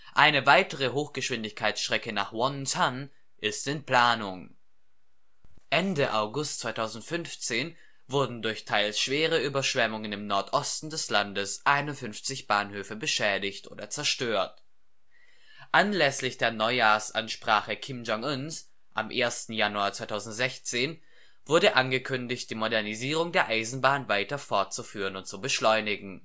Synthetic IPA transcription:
ʔaɪnəvaɪtəʁ̞əɦoːxɡ̥əʃv̥ɪndɪçkʰaɪsʃtʁ̥ɛkənaːχwɔntʰan | ʔɪstɪnpl̥aːnʊŋ | ʔɛndəʔaʊɡʊstt͡sv̥aɪtʰaʊzn̩tfʏnft͡seːn | vʊɐdn̩dʊɐçtʰaɪlsʃv̥eːʁ̞əyːbɐʃv̥ɛmʊŋənɪmnɔɐtʰʔɔstn̩dɛslandəsʔaɪnʊntfʏnft͡sɪçb̥aːnhøːfəbəʃɛːdɪçtʔo̰ːdɐt͡sɛɐʃtøːɐt | ʔanlɛslɪçd̥eːɐnɔʏjaːɐsʔa̰nʃpʁ̥aːχəkʰɪmd͡ʒɔŋʔʊns | ʔa̰mʔeːɐstn̩januaːɐt͡sv̥aɪtʰaʊzn̩tz̥ɛçt͡seːn | v̥ʊɐdəʔanɡəkʰʏndɪçt̚d̥iːmodɛɐniziːʁ̞ʊŋdeːɐʔaɪzn̩baːnvaɪtɐfɔɐt̚t͡sufyːʁ̞ənʊnt̚t͡subəʃlɔʏnɪɡŋ̩

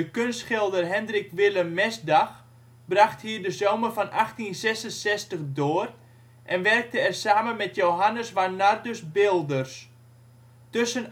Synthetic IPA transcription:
əkønstχɪlˠdərɦɛndrɪkʋɪləmːɛsdax | braxthiːrdəzoːwmərfɔnʔaxtinsɛsənsɛstəχdoːr | ʔɛnʋɛrk̚təɛrsaːmənmɛtjowɦanəsʋanardøsbɪlˠdərs | tøsən

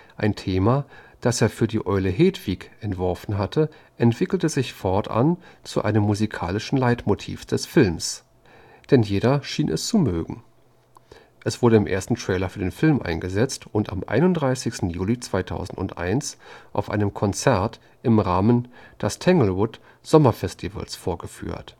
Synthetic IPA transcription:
ʔaɪntʰeːmad̥aseːɐfyːɐdiːʔɔʏləɦeːdv̥iːkʔɛntv̥ɔɐfn̩ɦatʰə | ʔɛntv̥ɪkl̩təzɪçfɔɐtʔa̰nt͡suʔaɪnəmːuzikʰa̰ːlɪʃn̩laɪtmotʰḭːfd̥ɛsfɪlms | d̥ɛnjeːɾɐʃiːnʔɛ̰st͡sumøːɡŋ̩ | ʔɛsv̥ʊɐɾəɪmʔḛɐstn̩tʁ̥ɛːlɐfyːɐdeːnfɪlmʔa̰ɪnɡəzɛt͡stʊnta̰mʔa̰ɪnʊntdʁaɪsɪçstn̩juːlit͡sv̥aɪtʰa̰ʊzn̩tʊ̰ntʔa̰ɪnsʔa̰ʊfʔa̰ɪnəmkʰɔnt͡sɛɐt | ʔɪmʁaːmənd̥astʰɛŋl̩ʁʊt | z̥ɔmɐfɛstʰivə̰lsfoːɐɡəfy̰ːɐt

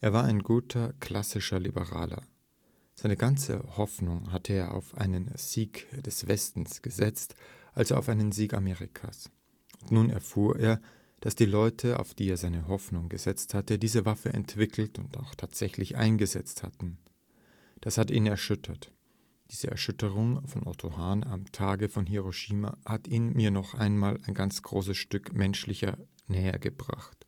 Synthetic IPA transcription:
ʔeːɐvaːɐʔaɪnɡuːtʰɐkl̥asɪʃɐlibəʁa̰ːlɐ̰ | z̥aɪnəɡant͡sə̰hɔfnʊŋɦatʰəeːɐʔa̰ʊfʔa̰ɪnənz̥iːkd̥ɛsv̥ɛstn̩sɡ̥əzɛt͡stʔalzoa̰ʊfaɪnənziːka̰meːʁɪkʰa̰ːs | ʔʊntnuːnɛ̰ɐfuːɐʔeːɐ | d̥asd̥iːlɔʏtʰəa̰ʊfd̥iːeːɐzaɪnəɦɔfnʊŋɡəzɛt͡sthatədiːzəvafəɛ̰ntv̥ɪkʰl̩tʊ̰nta̰ʊxtʰaːtz̥ɛçlɪçʔa̰ɪnɡəzɛt͡stha̰tn̩ | d̥ashatiːnɛɐʃʏtʰɐt | d̥iːzəʔɛ̰ɐʃʏtəʁʊŋfɔnʔɔ̰tʰohaːna̰mtʰaːɡəfɔnɦeʁoʃiːma̰hatʰiːnmiːɐnɔχʔaɪnmaːlaɪnɡant͡sɡ̥ʁoːsəsʃtʏkmɛnʃlɪçɐ | nɛːɐ̰ɡəbʁa̰χt

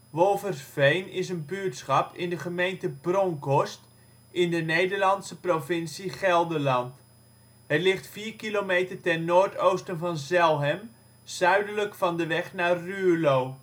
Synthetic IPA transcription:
ʋolˠvərfejnɪsənbytsχɑpɪndəχəmejntəbrɔŋkɔst | ɪndənejdəɹlɑntsəprovɪnsiχɛlˠdəlɑnt | ɦətlɪχtfiːɹkilomejtəɹtɛnnoːɹtowstənvɑnzɛlˠɦɛm | z̥œɥdələkfɑndəʋɛχnaːryːlow

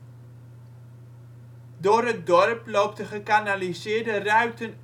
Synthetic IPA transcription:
doːrɦət̚dɔrplowp̚dəχəkanalizɪːɹdərœɥktən

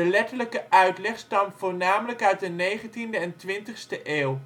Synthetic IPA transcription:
əlɛtələkəʔœɥtlɛχstɑmfʊːɹnaːmələkœɥt̚dənejχəntindəɛntʋɪntəχstəʔeːw

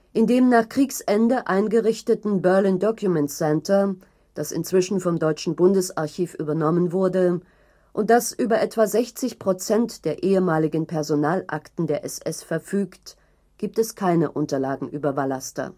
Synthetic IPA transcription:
ʔɪndeːmnaːχkʁ̥iːksʔɛndəʔaɪnɡəʁɪçtətn̩bœɐliːndɔkʰjumɛntsɛntʰɐ | d̥asɪ̰nt͡sv̥ɪʃn̩fɔmdɔʏt͡ʃn̩bʊndəsaɐçiːfʔyːbɐnɔmənvʊɐdə | ʔʊnt̚d̥asʔyːbɐʔɛtv̥azɛçt͡sɪçpʁ̥ot͡sɛntd̥eːɐʔeːəmaːlɪɡn̩pʰɛɐzonaːlʔa̰ktn̩deːɐʔɛsɛsfɛɐfyːkt | ɡ̥iːp̚tɛskʰaɪnəʔʊntɐlaːɡŋ̩ʔyːbɐvalastɐ̰

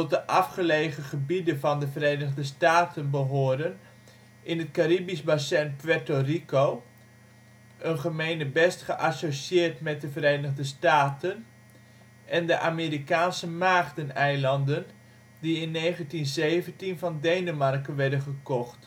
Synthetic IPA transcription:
tɔt̚dəʔɑfχəlejχəχəbidənvɑndəvərejnəχdəstaːtənbəɦʊːdən | ʔɪnətkaɾibisbasɛnpʋɛtorikow | ʔənχəmejnəbɛstχəʔasoʃɪːrtmɛt̚dəvəɾejnəχdəstaːtən | ʔɛndəʔaːmeːɾikaːnsəmaːχdənɛjlɑndən | diɪnːejχəntinzejvəntinvɑndejnəmɑrkənʋɛɹdənχəkɔχt

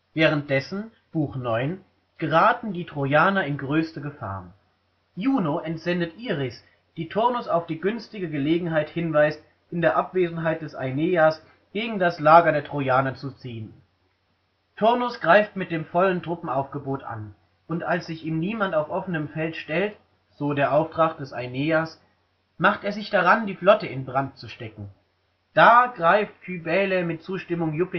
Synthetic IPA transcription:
vɛːʁ̞ənt̚d̥ɛsn̩ | b̥uːxnɔʏn | ɡ̥əʁaːtn̩diːtʁ̥ojaːnɐɪnɡʁøːstəɡəfa̰ːɐn | juːnoʔɛntz̥ɛndətʔiːʁɪs | d̥iːtʰʊɐnʊsaʊfd̥iːɡʏnstɪɡəɡəleːɡŋ̩ɦaɪthɪnvaɪst | ʔɪndeːɐʔapv̥eːzn̩ɦaɪt̚d̥ɛsa̰ɪneːas | ɡ̥eːɡŋ̩daslaːɡɐdeːɐtʁ̥ojaːnɐt͡sut͡siːən | tʰʊɐnʊsɡ̥ʁaɪftmɪt̚d̥eːmfɔləntʁ̥ʊpm̩aʊfɡ̥əboːtʔa̰n | ʔʊntʔalsz̥ɪçiːmniːmantaʊfʔɔfənəmfɛltʃtɛlt | z̥oːdeːɐʔaʊftʁ̥aχd̥ɛsaɪneːas | maχteːɐzɪçd̥aʁandiːflɔtəɪnbʁant̚t͡suʃtɛkŋ̩ | d̥aːɡ̥ʁaɪftfybɛːlɛmɪt̚t͡suːʃtɪmʊŋjʊpɪ

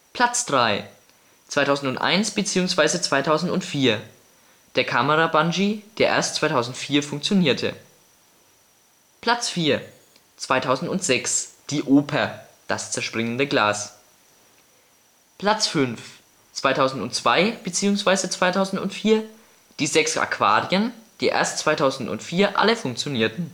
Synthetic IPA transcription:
pʰl̥at͡sd̥ʁaɪ | t͡sv̥aɪtʰaʊzn̩tʊntʔa̰ɪnsb̥ət͡siːʊŋsv̥aɪzət͡sv̥aɪtʰaʊzn̩tʊntfiːɐ | d̥eːɐkʰaməʁabanʒid̥eːɐʔḛɐstt͡sv̥aɪtʰaʊzn̩tfiːɐfʊŋkt͡sjoniːɐtʰə̰ | pʰl̥at͡sfiːɐ | t͡sv̥aɪtʰaʊzn̩tʊntz̥ɛksd̥iːʔoːpʰɐ | d̥a̰st͡sɛɐʃpʁ̥ɪŋəndəɡla̰ːs | pl̥at͡sfʏnf | t͡sv̥aɪtʰaʊzn̩tʊntt͡sv̥aɪb̥ət͡siːʊŋsv̥aɪzət͡sv̥aɪtʰaʊzn̩tʊ̰ntfiːɐ | d̥iːzɛksʔa̰kʰv̥a̰ːʁiənd̥iːʔḛɐstt͡sv̥aɪtʰaʊzn̩tʊ̰ntfiːɐʔa̰ləfʊŋk̚t͡sjoniːɐtn̩

